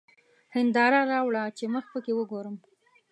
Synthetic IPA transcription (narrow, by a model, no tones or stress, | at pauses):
hɪnd̪ɑɾaɾɑwɽat͡ʃeməxpəkewəɡoɾəm